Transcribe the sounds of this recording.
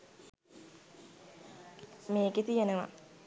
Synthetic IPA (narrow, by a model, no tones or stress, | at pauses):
meːket̪ijenəʋa̰